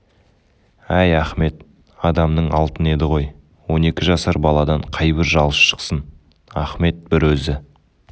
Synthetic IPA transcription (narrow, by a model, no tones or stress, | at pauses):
æjæχme̞t̪̚ | ɑd̪ɑmnəɴɑlˠt̪əne̞d̪ɪʁo̞j | wo̞ne̞kʲɪʒɑsɑɾbɑlˠɑd̪ɑɴqʰɑjbɪɾʒɑlˠəsʃə̥qsən | æ̰χme̞t̪̚b̥ɪɾwɵzɪ